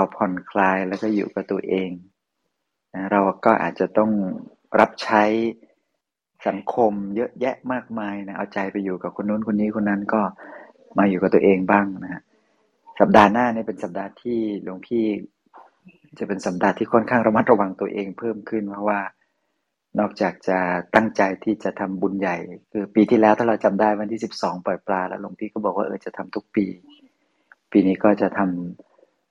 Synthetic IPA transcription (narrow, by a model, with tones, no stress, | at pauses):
ɾa˧wpʰɔ˧nkʰlaː˧jlɛː˦˥wkɔː˥˩jṵː˨˩ka˨˩t̪u˧ɐəʔeː˧ŋ | na˦˥a˥˩ɾa˧wkɔː˥˩ʔa̰ː˨˩t̪̚t͡ɕa˨˩t̪ɔ˥˩ŋ | ɾa˦˥p̚t͡ɕʰa˦˥j | sa˩˦ŋkʰo˧mjɤ˦˥ʔjɛ˦˥ʔmaː˥˩k̚maː˧jna˦˥ʔa˧wt͡ɕa˧jpa˧juː˨˩ka˨˩p̚kʰo˧nːuː˦˥nkʰo˧nːiː˦˥kʰo˧nːa˦˥nkɔː˥˩ | maː˧juː˨˩ka˨˩t̪u˧əʔeː˧ŋbaː˥˩ŋna˦˥kʰa˦˥ʔ | sa˨˩p̚daː˧naː˥˩niː˥˩pe˧nsa˨˦p̚daː˧t̪ʰiː˥˩lo˧ŋp̪ʰiː˥˩ | t͡ɕa˨˩pe˧nsa˩˦p̚daː˧t̪ʰːiː˥˩kʰɔ˥˩˨nkʰaː˥˩ŋɾa˧ma˦˥t̪̚ɾa˧wa˧ŋt̪u˧ɐʔeː˧ŋpʰɤː˥˩mkʰɯ˥˩npʰɾɔ˦˥waː˥˩ | nɔː˥˩k̚t͡ɕaː˨˩k̚t͡ɕa˨˩t̪a˥˩ŋt͡ɕa˧jt̪ʰiː˥˩t͡ɕa˨˩t̪ʰa˧mbu˧nja˨˩jkʰɯː˧piː˧t̪ʰiː˥˩lɛː˦˥wt̪ʰaː˥˩ɾa˧wt͡ɕa˧mdaː˥˩jwa˧nt̪ʰiː˥˩si˨˩p̚sɔː˩˦ŋpɔː˨˩jplaː˧lɛ̰˦˥lo˧ŋp̪ʰiː˥˩kɔː˥˩bɔː˨˩k̚waː˥˩ʔɤː˧˩t͡ɕa˨˩t̪ʰa˧mt̪ʰu˦˥k̚piː˧ | piː˧niː˦˥kɔː˥˩t͡ɕa˨˩t̪ʰa˧m